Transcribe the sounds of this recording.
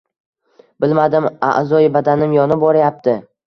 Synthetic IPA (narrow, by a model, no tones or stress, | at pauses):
bɪlmad̪ɪma̰ʔzɒjbad̪anɪmjɒnɪbɒɾajap̚t̪ʰɪ